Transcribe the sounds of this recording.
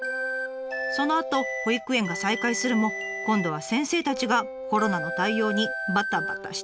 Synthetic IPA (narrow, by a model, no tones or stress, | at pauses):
so̞no̞at̪o̞hoikɯ̟ẽ̞ŋɡasaikaisɨɾɯ̟mo̞ | kõ̞nd̪o̞β̞asẽ̞ɰ̃se̞ːt̪at͡ɕiɡa | ko̞ɾo̞nano̞t̪aijo̞ːɲ̟ibat̪ːabat̪ːaɕi̥t̪ḁ